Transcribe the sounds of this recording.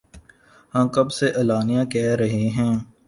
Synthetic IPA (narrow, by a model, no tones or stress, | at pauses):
hãːkɐbseʔɐlaːnijãːkɛːɾɐɦeɦɛ̃ː